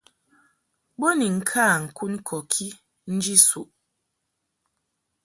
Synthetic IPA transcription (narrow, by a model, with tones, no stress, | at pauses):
bo˦ni˨ŋ̩˨kʰaː˦˨ŋ̩˨ku˦n˦kʰɔ˨kʰi˦ | n̩˦d͡ʒi˦su˨ʔ